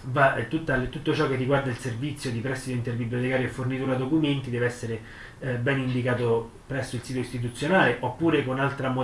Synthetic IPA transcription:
vat̪ut̪ːalt̪ut̪ːot͡ʃɔk̟ːerːiɡward̪ailservit̪sːjod̪ipɾɛst̪ːit̪oint̪erbibːliot̪ekaːɾjoefːornit̪uːɾad̪okument̪id̪ɛːveɛsːeɾe | bɛnind̪ikaːt̪o | pɾɛsːoilsiːt̪oist̪it̪̬ut̪sːjonaːleʔopːuːɾekonalt̪ɾamo

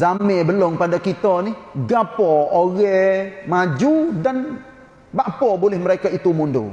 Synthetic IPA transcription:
zamɛbəlɔŋpadakit̪ɔnihɡapɔoɣɛmad͡ʒudan | baʔpɔbolɪhməɾekait̪umundṵ

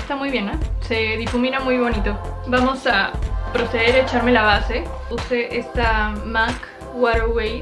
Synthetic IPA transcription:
st̪amujβje̞nase̞ðifumĩnamujβo̞nit̪o̞bamo̞sapɾo̞seðeɾet͡ʃaɾme̞laβase̞ | use̞ʔest̪amak | waɾoɾwej

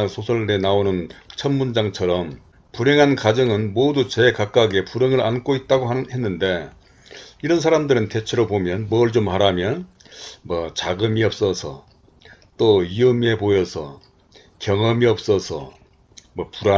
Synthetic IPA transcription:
ansʰosʰʌɭɾenaonɯnt͡ɕʰʌnmund͡ʑaŋt͡ɕʰʌɾʌm | puɾe̞ŋɦankad͡ʑʌŋɯnmodut͡ɕekak͈aɡe̞puɾeŋɯɾʔank͈ʰoit̚t͈aɡohe̞nːɯnde̞ | iɾʌns̬ʰaɾamdɯɾɯnte̞t͡ɕʰeɾopomjʌnmʌɯɭt͡ɕomhaɾamjʌn | mʌt͡ɕaɡɯmiʌp̚s͈ʌsʰʌ̰ | t͈oiɯme̞pojʌsʰʌ̰ | kjʌŋʌmiʌp̚s͈ʌsʰʌ̰ | mʌpuɾa

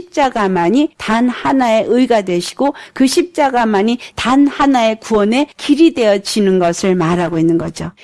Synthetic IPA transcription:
ip̚t͡ɕ͈aɡamaɲitanhanae̞ʔɯjɡadwe̞ɕʰi̥ɡ̥okɯɕʰip̚t͡ɕ͈aɡamaɲitanhanae̞kuʌne̞kiɾide̞jʌt͡ɕ͈ʰinɯnɡʌsʰɯɭmaɾaɡoinːɯnɡʌd͡ʑo

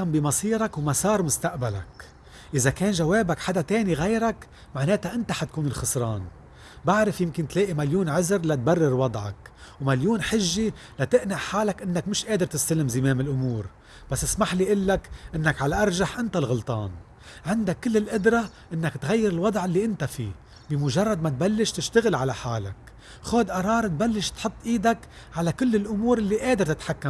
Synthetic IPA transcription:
ambɪmɑsˤiːɾˤakwmasˤɑːɾˤmʊst̪aʔbala̰k | ʔɪzakeːnʒaweːbakħad̪at̪eːniɣejɾak | maʕneːt̪aʔɪnt̪aħat̪̚kuːnɪlxɑsˤɾˤɑːn | baʕɾɪfjɪmkɪnt̪leːʔimaljuːnʕɪzɾlat̪̚barːɪɾwɑd̪ˤʕɑ̰kwmaljuːnħɪʒːi | lat̪ɪʔnɪʕħaːlakʔɪnːakmɪʃʔeːd̪ɪɾt̪ɪst̪alɪmzɪmeːmɪlʔʊmuːɾ | b̥asːʔɪsmaħliʔɪlːakʔɪnːakʕalaʔɑɾˤʒaħʔɪnt̪alɣʊlt̪ˤɑ̰ːn | ʕɪnd̪akːɪlːɪlʔʊd̪ɾˤɑ | ʔɪnːakt̪ɣajːɪɾɪlwɑd̪ˤʕɪlːiʔɪnt̪afḭː | bɪmʊʒɑrˤːɑd̪̚mat̪̚balːɪʃt̪ɪʃt̪aɣɪlʕalaħaːla̰k | xoːd̪ʔɑɾˤɑːɾˤt̪̚balːɪʃt̪ħʊt̪ˤːʔiːd̪ak | ʕalakɪlːɪlʔʊmuːɾʔɪlːiʔeːd̪ɪɾt̪ɪt̪ħakːam

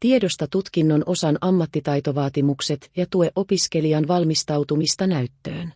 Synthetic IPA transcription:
t̪ie̞do̞st̪ɑt̪ut̪kinːo̞nʔo̞sɑnʔɑmːɑt̪ːit̪ɑjt̪o̞ʋɑːt̪imukse̞t̪jɑt̪ue̞ʔo̞piske̞liɑnʋɑlmist̪ɑwt̪umist̪ɑnæɥt̪ːøːn

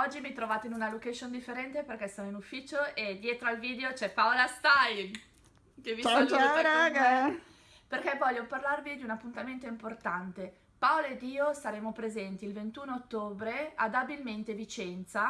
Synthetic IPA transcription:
ɔd͡ʒːimit̪ɾovaːt̪einunalokaʃond̪ifːeɾɛnt̪eperk̟ɛsːonoinufːiːt͡ʃoʔed̪jeːt̪ɾoalviːd̪eot͡ʃɛpːaolast̪ajn | keviɾaɡ | perkɛvɔʎːoparlarvid̪iunapːunt̪ament̪oimport̪ant̪e | paoloed̪ːiːosaɾeːmopɾezɛnt̪iːlvent̪unoot̪ːoːbɾead̪abilment̪evit͡ʃɛnt̪sa

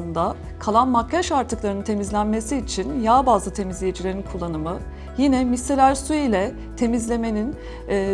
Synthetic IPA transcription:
ɯnd̪a | kʰalˠanmakʰːaʃaɾt̪ʰɯklˠaɾɯnɯnt̪ʰe̞mizlʲænme̞siːt͡ʃʰinjaːbaːzˠɯt̪ʰe̞mizlʲejed͡ʒilʲe̞ɾinkʰulˠːanɯmɯ | jinɛmiselʲæɾsuilʲɛ | t̪ʰe̞mizlʲe̞me̞ninː

